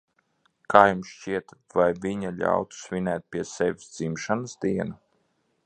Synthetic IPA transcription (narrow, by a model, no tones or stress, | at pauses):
kaːjumsʃt͡ʃiɛt̪vajvʲiɲaʎʲa̰wt̪u̥svʲinɛːt̪̚pʲiɛsɛvʲisd̪zimʃanɨsd̪iɛna